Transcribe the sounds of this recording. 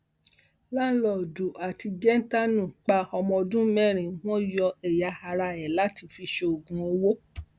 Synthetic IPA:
la˦lɔ˨du˨ʔa˨ti˧ɡɛ˦n̩˦ta˦nũ˨k͡pa˧ɔ˧mɔ̃˧dũ˦mɛ˦˨ɾ̃ĩ˨w̃ɔ̃˦jɔ˧ɛ˨ja˨˧ha˧ɾa˧ɛ˨la˨˦ti˧fi˧ʃe˧o˨ɡũ˧o˧wo˦

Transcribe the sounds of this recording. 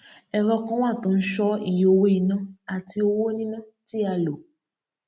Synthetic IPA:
ɛ˧ɾɔ˧kɔ̃˦w̃ã˦˨tõ˨n̩˦ʃɔ˦ḭ˨jo˧wo˦i˨˧nã˦˨a˨ti˧o˧wo˦nĩ˦nã˦ti˦a˧lo˨

